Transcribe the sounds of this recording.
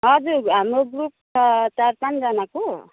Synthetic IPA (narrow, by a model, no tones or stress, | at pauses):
ɦʌd͡zuɾɦamɾoɡɾup̚ | t͡ʃaɾpand͡zʌnako